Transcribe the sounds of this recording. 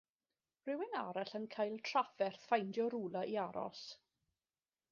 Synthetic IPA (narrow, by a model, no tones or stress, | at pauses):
rɪwɪnaɾɛɬənkʰajlˠtʰrafɛrθfajndjɔɾuːlˠaʔiaɾɔ̰s